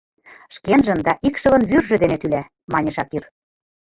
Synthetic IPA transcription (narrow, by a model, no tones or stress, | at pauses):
ʃkenʒə̆nd̪ɑʔikʃɤ̆lɤ̆nβyrʒɘ̆d̪enet̪ylæ | mɑnʲɤ̆ʃɑkir